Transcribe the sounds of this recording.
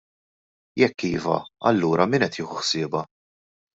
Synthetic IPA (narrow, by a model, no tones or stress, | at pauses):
jɛkːiːvɐ̰ɐ̰lːuːɾɐmɪnɛt̪ʰjɪːħuħsɪːbɐ